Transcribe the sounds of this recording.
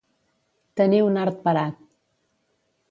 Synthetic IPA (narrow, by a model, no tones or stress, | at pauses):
t̪əniunaɾt̪̚pəɾat̪̚